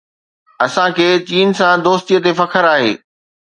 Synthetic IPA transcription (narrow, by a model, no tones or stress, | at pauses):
ɐsãkʰeːt͡ɕiːnsãd̪oːst̪ijət̪efɐkʰəɾaːɦḛː